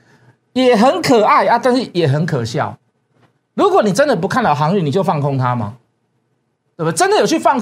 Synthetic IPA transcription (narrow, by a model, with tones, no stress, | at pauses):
jɛ˨˩ɦə˧˦nkʰə˨˩a˥˩ɪa˧˦t̪a˥˧nʂɻ̩˥˩jɛ˨˩ɦə˧˦nkʰə˨˩ɕjɑ̰˥˨ʊ | lu˨˥kwɔ˨˩˦ni˨˩ʈ͡ʂə˦nd̪ə˨p̬u˧kʰa˥˧nɑ˨˩ɦɑ˧˦ŋy˨ni˨t͡ɕjo˥˧fɑ˥˨˩ŋkʰo˦ŋt̪ʰa˦ma̰˦ | t̪we˥˩b̪ʈ͡ʂə˦nd̪jo˨˩t͡ɕʰy˥˩fɑ˥˧ŋ